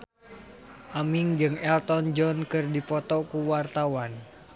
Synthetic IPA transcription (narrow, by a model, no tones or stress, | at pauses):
ʔamiŋd͡ʒɨŋɛlt̪ɔnd͡ʒɔnkɨrdipɔt̪ɔkuwart̪awan